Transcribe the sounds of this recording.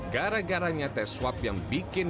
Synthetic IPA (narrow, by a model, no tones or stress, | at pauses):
ɡaɾaɡaɾaɲat̪ɛswapjaŋbikɪn